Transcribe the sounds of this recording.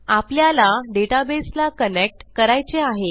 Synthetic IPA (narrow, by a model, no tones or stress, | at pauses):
apljalaɖeʈabeslakənek̚ʈkəɾajt͡seaɦe